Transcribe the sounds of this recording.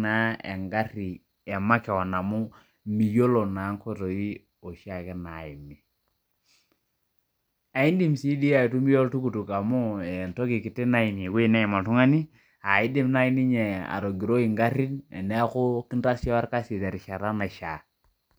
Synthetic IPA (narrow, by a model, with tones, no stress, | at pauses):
na˦ḛ˨ŋɡa˦ɾi˨ | ɛ˨ma˦kɛ˨wa˨na˨mu˦ | mi˨jo˦lo˨na˨˦ŋko˦to˨i˦ | o˨ʃa˨kɛ˦na˨i˨mi˨ | a˨i˦ndi˦msi˦di˦a˨i˨tu˦mi˦jo˦ltu˦ku˨tu˨ka˨mu˦ɛ˨nto˦ki˨ki˨te˦na˦i˨ni˨kːna˦i˨ma˨tu˦ŋa˦ni˦ | a˨i˦di˦mna˦i˦ni˦ɲɛ˨a̰˨ɾo˨ɡi˨ɾo˦i˨ŋɡa˦ɾi˦nɛ̰˨nɛ˦kʊ˦kɪ˦nta˦sjɔ˦a˦ɾka˦si˨te˨ɾi˨ʃa˨ɾa˦na˨ʃa˨